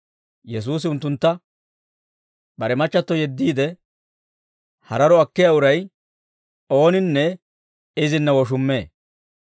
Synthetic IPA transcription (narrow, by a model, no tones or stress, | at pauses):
jɛs̬uːs̬ɪʊnt̪ːʊnt̪ːɐ | bɐɾɛmɐt͡ʃːɐt̪ːɔjɛd̪ːiːd̪ɛ | hɐ̰ɾɐɾɔɐkːɪjaʊɾɐj | o̞ːnɪnːɛ | ɪzɪnːɐwɔʃ̬ʊmːe̞̰ː